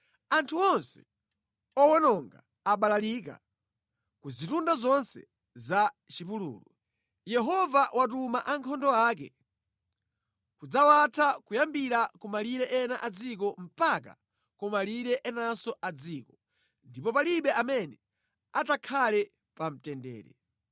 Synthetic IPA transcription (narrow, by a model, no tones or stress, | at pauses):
antʰuɔnsɛ̥ | ɔwɔnɔŋɡa | aɓalaliːka̰ | kuzitundazɔnsɛ̰ | za | t͡ʃipulṵːlu | jɛɦɔvawat̬umaʔaŋkʰɔndɔaːk̬ɛ̰ | kud͡zawatʰakujambiɾakumaliɾɛʔɛnaʔad͡zikɔm̩paka̰ | kɔmaliɾɛʔɛnasɔʔad͡ziːkɔ | ndipɔpaliɓɛʔamɛnɛ | atakʰalɛ | pam̩tɛndɛ̰ːɾɛ̰